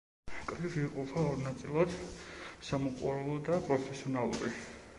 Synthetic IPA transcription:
kʼɾiviːqʼɔpʰaɔɾnat̪sʼilˠad̪samɔqʼṵɾɛlˠɔd̪apʼɾɔpʰɛsiɔnalˠṵɾi

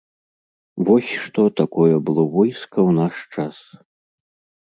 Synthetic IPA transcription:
vɔsʲʂt̪ɔt̪akɔjɐbɨlˠɔvɔjskɐwnaʂt͡ʂas

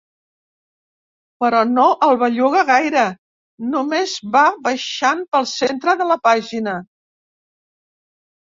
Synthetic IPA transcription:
pəɾɔnoʔəlˠβaʎuɣəɣajɾə | numezβaβəʃampəlˠsent̪ɾəðələpaʒinə

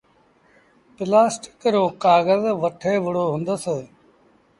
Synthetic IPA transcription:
pɪlaːsʈɪ̥kɾõːkaːɣəzʋəʈʰeːʋɪɽoːɦʊ̃nd̪əs

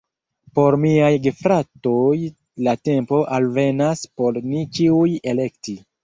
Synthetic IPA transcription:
po̞ɾmiajɡefɾatoj | late̞mpo̞ʔalve̞naspo̞ɾnit͡ʃiuje̞le̞kti

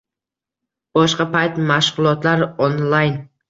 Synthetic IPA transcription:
b̥ɒʃqɑpajt̪maʃʁʊlˠɒt̪laɾonlˠajn

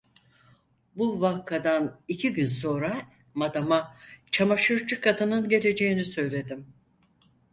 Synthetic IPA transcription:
buvakʰːad̪anicʰiɟynso̞nɾa | mad̪amat͡ʃʰamaʃɯɾt͡ʃɯkʰad̪ɯnɯnɟe̞lʲe̞d͡ʒe̞jinisø̞jlʲe̞d̪im

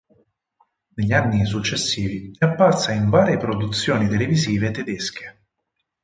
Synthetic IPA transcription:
neʎːanːis̬ut͡ʃːesːiːviɛapːart̪saiɱvaːɾepɾod̪ut̪sːjoːnit̪eleviziːvet̪ːed̪eske̥

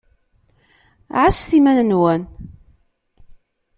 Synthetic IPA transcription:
ʕasθimænənwæn

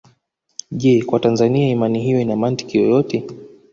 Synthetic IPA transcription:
ʄɛkwatanzaniaimaniɦijɔinamanti̥kijɔjɔtʰɛ

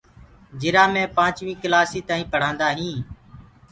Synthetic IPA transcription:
d͡ʒɪɾaːmẽːpãːt͡ʃʋĩːklaːsiːt̪ãːĩːpəɽ̤ãːnd̪aːɦĩː

